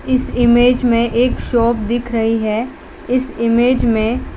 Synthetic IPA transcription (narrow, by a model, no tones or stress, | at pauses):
ɪsɪmeːd͡ʒmẽʔeːkʃɔːp̚d̪ɪkʰɾɐɦiɦɛː | ɪsɪmeːd͡ʒmẽ